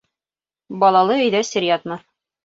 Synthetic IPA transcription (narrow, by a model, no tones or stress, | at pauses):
bɒlˠɑlˠɤɵ̆jðæsʲɘ̆ɾʲjat̪mɤ